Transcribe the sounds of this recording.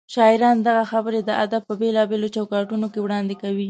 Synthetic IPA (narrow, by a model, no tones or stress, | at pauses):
ʃɑɪɾɑnd̪aɣaxabəɾed̪əʔad̪ab̚pəbelɑbelot͡ʃawkɑʈunokewɽɑnd̪ekawi